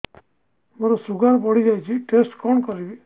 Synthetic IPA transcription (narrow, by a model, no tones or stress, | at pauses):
mɔɾosuɡaɾpɔɽid͡ʒajt͡ʃʰiʈesʈkɔɳkɔɾibi